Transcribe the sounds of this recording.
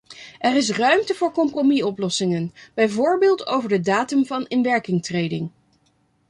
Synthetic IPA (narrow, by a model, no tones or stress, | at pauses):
ʔɛɾɪs̬rœɥmtəvʊːɹkɔmpromiɔplɔsɪŋənb̥ɛjvʊːɹbɪːlˠtʰo̰wvəɹdədaːtəmvɑnɪnʋɛɹkɪŋtrejdɪ̰ŋ